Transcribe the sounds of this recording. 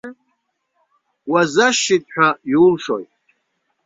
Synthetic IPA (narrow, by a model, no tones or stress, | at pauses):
wazaʃitʼħᶣʷajiulʂo̰jtʼ